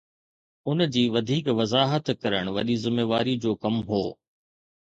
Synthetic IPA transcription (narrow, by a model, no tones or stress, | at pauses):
ʊnd͡ʑiːʋɐd̪ʱiːkʋɐzaːɦət̪kɐɾəɽ̃ʋɐ̰ɗizɪmeːʋaːɾid͡ʑoːkɐmɦo̰ː